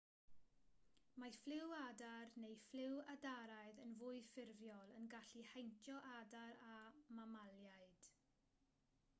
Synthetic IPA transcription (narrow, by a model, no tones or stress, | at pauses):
majflɪwadarnejflɪwadaɾaɨðənvʊɨfɪrvjɔlˠənɡaɬihajntʰjɔʔadaɾamamalˠjaɨd̥